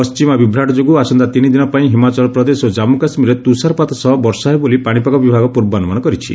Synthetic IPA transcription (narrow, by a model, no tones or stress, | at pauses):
pɔst͡ʃimɔbibʱɾaʈɔd͡ʒoɡuasɔnd̪at̪inid̪inɔpaĩɦimat͡ʃɔlɔpɾɔd̪esod͡ʒamukasmiɾet̪usaɾpat̪ɔsɔɦɔbɔɾsɔɦebolipaɽ̃ipakɔbibʱaɡɔpuɾbanumanɔkɔɾit͡ʃʰḭ